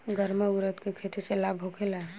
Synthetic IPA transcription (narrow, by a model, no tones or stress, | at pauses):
ɡəɾməuɾət̪kekʰet̪ʰiselabʱɦokʰela